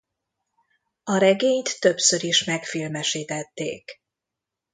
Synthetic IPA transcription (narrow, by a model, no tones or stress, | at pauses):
ɒɾɛɡeːɲt̪ːø̞psøɾiʃmɛkfilmɛʃiːt̪ɛt̪ːḛːk